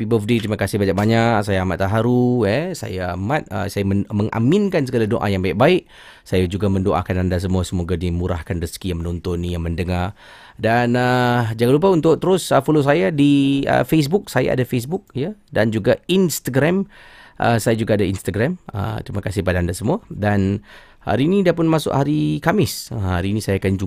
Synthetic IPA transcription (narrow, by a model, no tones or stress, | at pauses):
pibəfdit̪ɾimakasɪhbaɲak̚baɲaʔsajaamat̪ːaɦaɾujɛsa̰jaamat̪̚ə̰sajaməməŋʔa̰mɪnkansəɡaladoʔa̰jaŋbaɪk̚baɪʔ̚ | sajad͡ʒuɡaməndoʔa̰kanandas̬əmuasəmoɡadimuɾa̰hkanrəskijaŋmənɔnt̪ɔnijaŋməndəŋar | danəd͡ʒaɡalup̬aunt̪ʊʔ̚t̪əɾʊsəfulos̬ajadiə̰fes̬bʊk̚saja̰ʔa̰dafes̬bʊk̚jadand͡ʒuɡainst̪aɡɾamʔəsajad͡ʒuɡaːdainst̪aɡɾamə̰t̪ɾimakasɪhpadaandasəmuadan | ha̰ɾiːnidiapʊnmasʊ̰ʔhaɾikamɪshaɾiːnisajaːkand͡ʒu